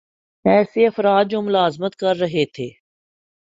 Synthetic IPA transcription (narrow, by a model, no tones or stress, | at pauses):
ɛːseɐfɾaːd̪̚d͡ʒoːmʊlaːzmət̪kɐɾːɐɦet̪ʰeː